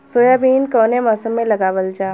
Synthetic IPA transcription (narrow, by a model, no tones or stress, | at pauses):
soːjaːbiːnkɔːnemɔːsəmːẽlɐɡaːʋəld͡ʒaː